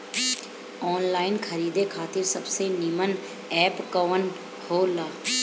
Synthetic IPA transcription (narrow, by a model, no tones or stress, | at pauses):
ɔːnlaːɪnkʰəɾiːd̪ekʰaːt̪ɪɾsəbsenimən | ɛːpkəʋən | hoːlaː